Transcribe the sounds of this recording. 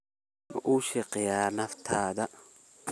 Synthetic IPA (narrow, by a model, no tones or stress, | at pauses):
nɔ̰ʔuːʃɛqʼɪjaːnɐft̪ʰaːd̪ɐ